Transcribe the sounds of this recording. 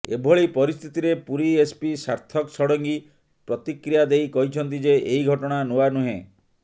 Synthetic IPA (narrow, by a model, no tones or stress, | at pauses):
ḛbʱɔɭipɔɾist̪ʰit̪iɾepuɾiespisaɾt̪ʰɔksɔɽɔŋɡi | pɾɔt̪ikɾijad̪ejkɔɦit͡ʃʰɔnt̪̬id͡ʒeʔeiɡʱɔʈɔɽ̃anowanuɦḛ̃